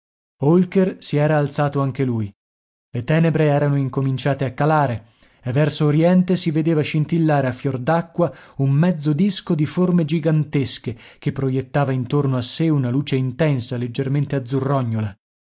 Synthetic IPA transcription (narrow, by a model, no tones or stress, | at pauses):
olkersiɛːɾaːlt̪saːt̪oaŋk̟eluːj | let̪ɛːnebɾeɛːɾanoiŋkomint͡ʃaːt̪eakːalaːɾe | evːɛrsoːɾjɛnt̪esived̪eːvaʃint̪ilːaːɾeafːjord̪akːwaummɛd̪zːod̪iskod̪iformed͡ʒiɡant̪eskek̟epːɾojet̪ːaːvaint̪ornoaseunaluːt͡ʃeint̪ɛnsaled͡ʒːerment̪ead̪zːurːɔɲːola